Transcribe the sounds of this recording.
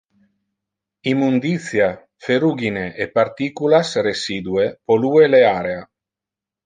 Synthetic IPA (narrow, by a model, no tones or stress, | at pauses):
imːund̪it̪sja | feɾuɡineʔepaɾt̪ikulasresiːd̪uepolueleaɾea